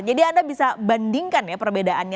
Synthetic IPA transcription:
d͡ʒadiandabisabandiŋkanjapərbedaʔanɲa

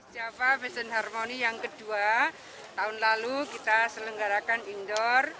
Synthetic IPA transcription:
d͡ʒapafɛsənɦarmonijaŋkəd̪̥ua | t̪aʊnlalukit̪asələŋɡaɾakanind̪ɔr

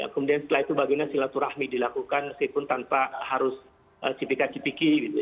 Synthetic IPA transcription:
ja̰kəmudiansə̥t̪əlait̪ubaɡiɲasilat̪uɾahmidilakukanməskipʊnt̪anpahaɾʊs | ʔə̰t͡ʃipikat͡ʃipikiɡit̪u

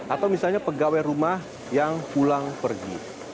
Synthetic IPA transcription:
ʔat̪awmisalɲapəɡawɛɾumah | jaŋpulaŋpərɡḭ

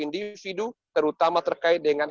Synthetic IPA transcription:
indifidut̪əɾut̪amat̪ərkaɪt̪̚dəŋan

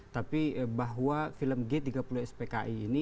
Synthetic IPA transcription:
t̪apibaɦwafiləmɡet̪iɡapuluhɛspeka̰ʔiːni

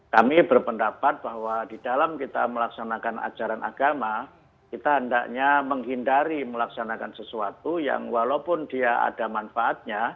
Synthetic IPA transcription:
kamibərpəndapat̪̚b̥ahwad̥id̥alamkit̪a̰məlaksanakana̰d͡ʒaɾanʔa̰ɡ̥ama | kit̪aɦəndaʔɲaməŋɦindaɾiməlaksanakansəsuat̪uja̰ŋwalaupʊndiaa̰d̥amanfaʔat̪̚ɲa

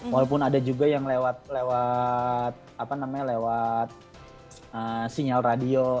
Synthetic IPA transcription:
walap̬ʊnadad͡ʒuɡajaŋlewat̪̚lewat̪̚apanamaɲalewat̪̚ | əsiŋalradio

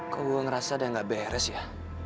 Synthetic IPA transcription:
kəuəŋɾasadaŋɡaʔbɛɾɛsja

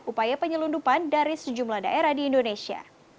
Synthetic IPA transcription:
ʔupajapəɲəlundupandaɾisəd͡ʒumlahda̰ʔeɾahdiːndonesia̰

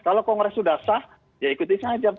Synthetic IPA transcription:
kalokɔŋɡɾɛsudasah | jaikut̪isaŋad͡ʒa

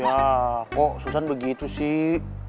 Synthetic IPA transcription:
jakɔʔsusanbəɡit̪usɪh

